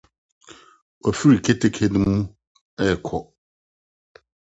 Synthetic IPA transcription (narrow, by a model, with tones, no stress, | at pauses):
ɔ˨fi˦ɾi˨kʰe˦tʰe˦kʰe˨nɪ̃˦mũ˦ | ɛ˦˨kʰɔ˨